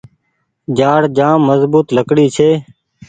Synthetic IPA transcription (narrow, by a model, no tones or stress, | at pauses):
d͡ʒaːɽd͡ʒaːmːəzbuːt̪ləkɽiːt͡ʃʰeː